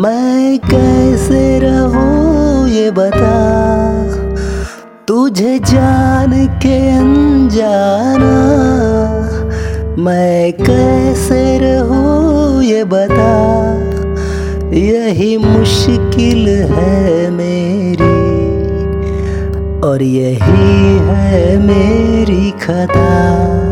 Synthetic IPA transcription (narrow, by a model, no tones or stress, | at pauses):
mɛ̃kɛɦseɾɐɦujebɐt̪a | t̪ud͡ʒʱed͡ʒaːnkeɐnd͡ʒaːna | mɛ̃kɛɦseɾɐɦujebɐt̪a | jɐɦimʊʃkɪlɦɛ | meː | ɾi | ɔːɾjɐɦiɦɛmeːɾikʰɐt̪a